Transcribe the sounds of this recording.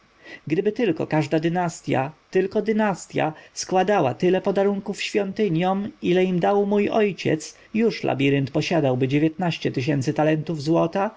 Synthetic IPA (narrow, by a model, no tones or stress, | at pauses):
ɡd̪ɘbɘt̪ɘlkɔ̰kaʐd̪ad̪ɘnast̪ʲja̰t̪ɘlkɔd̪ɘnast̪ʲja̰skwad̪awa̰t̪ɘlɛpɔd̪aɾuŋkufɕfʲjɔnt̪ɘɲjɔmilɛimd̪awmujɔjt͡ɕɛ̰t̪s | juʂlʔa̰bʲiɾɘnt̪pɔɕad̪awbɘd͡ʑevʲjɛt̪̚naɕt͡ɕɛt̪ɘɕɛnt̪sɘt̪alɛnt̪uvzwɔt̪a